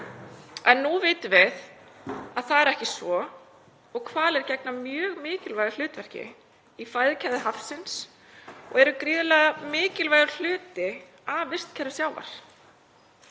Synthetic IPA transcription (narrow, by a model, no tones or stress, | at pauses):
ɛnːuvɪːt̪ʏvɪð | aðθaðɛɾɛhcɪsvɔ | ɔɣkʰvaːlɛɾcɛknamjœːɣmɪːcɪlvajɣal̥ʏːt̪vɛr̥cɪ̰ | ifajðɪcʰaðɪɦafsɪns | ɔ̰ɣɛɾʏkɾiːðʏlɛːɣamɪːcɪlvajɣʏɾl̥ʏːt̪ɪ | avɪr̥st̪cʰɛɾðʏsjaːwva̰ɾ̥